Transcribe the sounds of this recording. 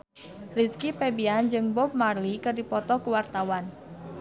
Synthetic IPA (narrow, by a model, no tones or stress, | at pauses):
riskipɛbiand͡ʒɨŋbɔp̚marlikɨrdipɔt̪ɔkuwart̪awan